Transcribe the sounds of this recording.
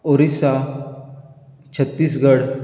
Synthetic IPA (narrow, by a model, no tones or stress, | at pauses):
oɾisa | t͡ɕʰət̪ːiːsɡəɽ